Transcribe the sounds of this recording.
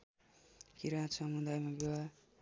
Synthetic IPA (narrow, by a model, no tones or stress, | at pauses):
kiɾãt̪sʌmud̪ajmabewa